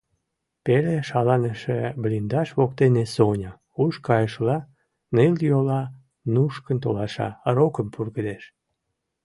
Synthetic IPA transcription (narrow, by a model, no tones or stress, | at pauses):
peleʃɑlɑneʃeblind̪ɑʃβokt̪enesonʲə | uʃkɑjəʃlɑ | nɨljolɑ | nuʃkənt̪olɑʃɑ̰ɾokəmpurɣəd̪eʃ